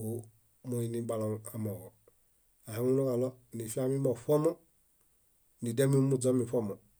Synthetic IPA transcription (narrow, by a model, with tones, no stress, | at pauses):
o˨˦ | mo˦i˨ni˦ɡ͡ba˧lɔ˨a˨mɔ˨ | a˨hi˦mu˦o˦ka˨lɔ˦˨ni˨fi˦a˦mi˦mɔ˨fɔ˦mɔ˦ | ni˨de˦mi˦mu˦˨d͡zɔ˦mi˨fɔ˦˨mɔ˨